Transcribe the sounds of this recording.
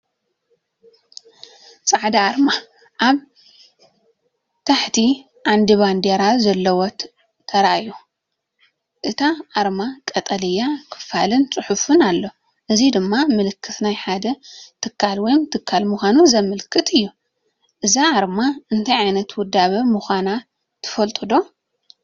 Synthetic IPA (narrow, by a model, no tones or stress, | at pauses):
t͡sʼaʕd̪aaɾma | ʔaβ | t̪ʰaħt̪ʰi | ʕand̪iβand̪eɾazɐlːɐwɔt̪ | t̪ʰɐɾaju | ʔɨt̪ʰaʔːɾmakʼɐt̪ʼɐlɨjːakʰɨ̥falɨnt͡sʼɨħufɨnalːo | ʔɨzid̪ɨmːamɨlɨkʰːɨt̪najħad̪ɐt̪ʰɨkʰːalwɔjɪmt̪ʰɨkʰːalmuxʷanuzɐmɨlkʰɨt̪ʰɨjːu | ʔɨzaːɾmaɨnt̪ʰajʕajnɐt̪wʊd̪ːaβɐmuxʷana | t̪ʰɨ̥fɐlt̪ʼɨd̪o̞